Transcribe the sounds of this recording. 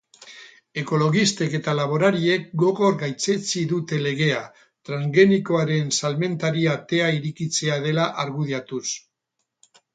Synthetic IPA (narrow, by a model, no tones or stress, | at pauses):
e̞ko̞lo̞ɣist̪e̞ke̞t̪alaβo̞ɾaɾie̞k̚ɡo̞ɣo̞ɾɡajt͡se̞t͡siðut̪e̞le̞ɣ̞e̞a | t̪ɾaŋɡe̞niko̞aɾe̞nsalme̞nt̪aɾiat̪e̞aiɾikit͡se̞að̞e̞laʔaɾɣuðeat̪us